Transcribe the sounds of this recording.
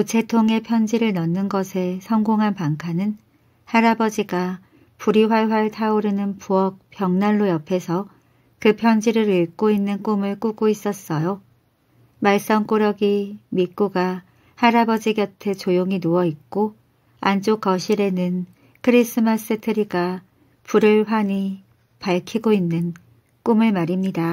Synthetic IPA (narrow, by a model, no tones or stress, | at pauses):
ut͡ɕʰe̞tʰoŋe̞pʰjʌnd͡ʑiɾɯɭnʌnːɯnɡʌsʰe̞sʰʌŋɡoŋɦanpaŋkʰanɯn | haɾabʌd͡ʑiɡa | puɾiɸwaɭɸwaɭtʰauɾenɯnpuʌk̚p͈jʌŋnanːojʌpʰe̞sʰʌ | kɯpʰjʌnd͡ʑiɾɯɾiɭk͈oinːɯnk͈omɯɭk͈uɡois͈ʌs͈ʌjo | maɭs͈ʌŋk͈oɾjʌɡimik͈uɡa | haɾabʌd͡ʑiɡjʌtʰe̞t͡ɕojoŋinoʌik̚k͈o | ant͡ɕ͈okʌɕʰiɾe̞nɯn | kʰɯɾis͈ʰɯmas͈ɯtʰɯɾiɡa | puɾɯɭɸwaɲi | paɭkʰiɡoinːɯn | k͈umɯɭmaɾimɲida